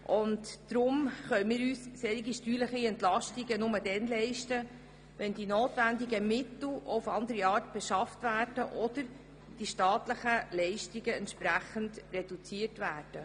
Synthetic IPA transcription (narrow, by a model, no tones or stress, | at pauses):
ʔʊntd̥ɾʊmχœɥmiːɾyːsseːɾiɡiʃtyːləχiɛntlɑʃtiɡənʊmədɛnlɛɪʃtə | ʋɛndinoːtvændiɡəmɪtl̩̰ʊfɑndəɾiɑːɾtb̥ɛʃɑftvæːrd̥əʔɔdəɾ | d̥iʃtɑːtləχəlɛɪʃtiɡəɛntʃpɾæχəndrɛd̥ut͡siːərtvæːrd̥ə